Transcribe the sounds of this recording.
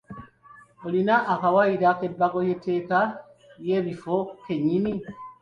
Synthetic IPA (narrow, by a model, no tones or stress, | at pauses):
olinaʔːkawaiɾakebːaɡojete̞ːka | jeβifokeɲːini